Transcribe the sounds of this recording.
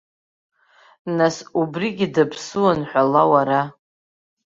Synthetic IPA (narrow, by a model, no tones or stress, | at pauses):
nasubriɡʲidapʰsɨwanħᶣʷalawaɾa